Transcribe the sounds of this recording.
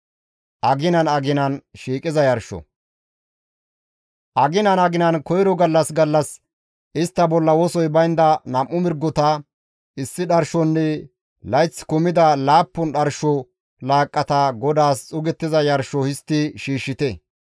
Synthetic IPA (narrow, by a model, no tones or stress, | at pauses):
ʔɐɡɪnɐnɐɡɪnɐnʃiːkʼɪzɐjɐɾʃɔ̰ | ʔɐɡɪnɐnɐɡɪnɐnkɔjɾɔɡɐlːɐsɡɐlːɐs | ʔɪst̪ːɐbɔlːɐwɔsɔjbɐjnd̪ɐnɐmʔːʊmɪɾɡːɔt̪ɐ | ɪsːɪɗɐɾʃɔnːɛ | lɐjt͡sːkʊmɪd̪ɐlaːpːʊnɗɐɾʃɔ | laːkʼːɐt̪ɐɡɔd̪aːst͡sʼʊɡɛt̪ːɪzɐjɐɾʃɔhɪst̪ːɪʃiːʃːɪt̪ɛ